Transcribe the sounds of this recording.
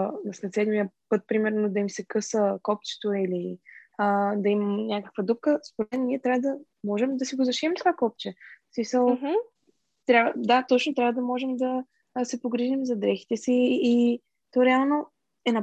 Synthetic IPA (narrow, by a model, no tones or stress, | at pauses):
nɐslɛt̪sɛd̪mijəpɤt̪̚pɾimɛɾnod̪ɐimsɛkɤsəkɔp̚t͡ʃɛ̥t̪oiliəd̪ɐimɐmnʲakə̥kvəd̪up̚kəspoɾɛɛnniɛt̪ɾʲavəd̪ɐ | mɔʒɛmd̪ɐsiɡozɐʃiɛmt̪kvakɔp̚t͡ʃɛsmisəlˠ | t̪ɾʲavəd̪at̪ɔt͡ʃnot̪ɾʲavəd̪ɐmɔʒɛmd̪ɐ | sɛpoɡɾiʒimzɐd̪ɾɛxi̥t̪ɛsiː | t̪ɔɾɛalˠno | ɛnɐ